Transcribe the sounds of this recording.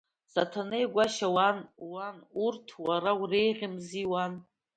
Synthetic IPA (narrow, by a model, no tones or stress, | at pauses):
satʰanejɡʷaʃawanwanurtʰwaɾawrejʁʲɪmziwan